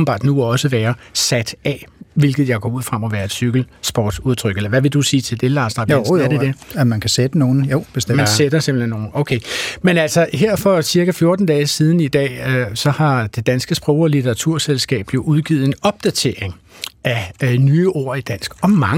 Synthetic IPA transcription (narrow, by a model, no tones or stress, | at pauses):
n̩bɑ̰̈ːd̥nuɒ̽səʋæːɐsæd̥ɛʋe̝lɡ̥ð̞̩ˠjɑ̈ɪɡ̥ɒ̰ːuð̰ˠfʁɑmɒʋæːɐe̝d̥syɡ̥l̩sb̥ɒ̰ːd̥suð̞ˠt͡sʰʁœɡ̥elɐʋæʋe̝d̥usiːt͡sʰe̝ld̥e̝lɑ̈ːsd̥ʁɑ̈ɐd̥edemænkʰæsed̥əno̝ːn̩job̥esmænssed̥ɐse̝m̥l̩henːo̝ːn̩oʊkʰeɪmenæl̰sɒ̽ɦeɐ̰fɒ̽siɐkæfjo̝ɐd̥n̩d̥ɛːsiːð̞ˠn̩id̥ɛ̰ːsɒ̽hɑ̈d̥e̝d̥ænsɡ̥əsb̥ʁɔʊɒlit͡sʰeʁɑ̈t͡sʰuɐ̰selsɡ̥ɛ̰ːb̥jo̝ʔuðˠɡ̥ḭð̩ˠe̝nɒ̽b̥̚d̥æt͡sʰe̝̰ɐe̝ŋ | ʔænyːʔo̝ɐ̰id̥æn̰sɡ̥ɒ̽mɑŋ